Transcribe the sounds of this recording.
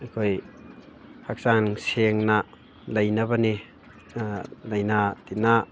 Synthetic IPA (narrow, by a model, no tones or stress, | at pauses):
ɐkʰoj | hak̚saŋseŋna | lɐjnɐβɐni | lɐjnatina